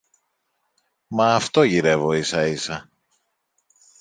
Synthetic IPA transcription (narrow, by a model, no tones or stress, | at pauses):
mɐːft̪o̞ʝiɾe̞vo̞isɐisɐ